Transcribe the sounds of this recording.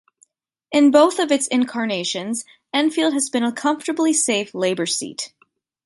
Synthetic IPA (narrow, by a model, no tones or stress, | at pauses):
ɨ̃nboʊθʌvɨtsɪ̃nkʰɑɹneɪʃɨ̃nz | ɛ̃nfilˠd̚ɨzbɨ̃nəkʰʌ̃ɱftə˞bliseɪfleɪbə˞sḭt